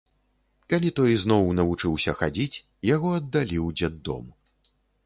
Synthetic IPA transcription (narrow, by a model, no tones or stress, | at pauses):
kalʲit̪ɔjznɔwnɐvut͡ʂɨwsʲɐxad͡zʲit͡sʲ | jaɣɔɐd̪ːalʲiwd͡zʲad̪ːɔ̰m